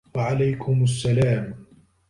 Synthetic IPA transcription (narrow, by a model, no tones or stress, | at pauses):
waʕalajkʰʊmasːalaːm